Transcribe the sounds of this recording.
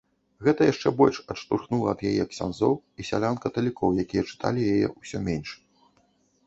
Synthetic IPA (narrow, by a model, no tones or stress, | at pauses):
ɣɛt̪ɐjaʂt͡ʂɛbɔlʲʂɐʂt̪urxnulˠɐːd̪jajɛjɐksʲa̰nzɔwisʲa̰lʲankɐt̪ɐlʲikɔwjakʲijɐt͡ʂɨ̥t̪ʰa̰lʲijajɛ̰ʔusʲɔmʲenʲʂ